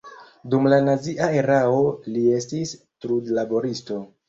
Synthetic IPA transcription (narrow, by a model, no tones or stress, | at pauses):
dumlanaziʔae̞ɾao̞lie̞stis | tɾudlabo̞ɾisto̞